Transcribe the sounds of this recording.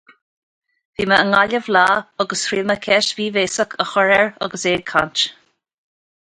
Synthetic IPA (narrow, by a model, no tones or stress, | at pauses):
v̥iːməəŋaləvlaːəɡəstɾiːməkʰɛʃviːveːsəkʰəxɔɹɛɹɔ̰ɡəseːdkʰa̰nt͡ʃ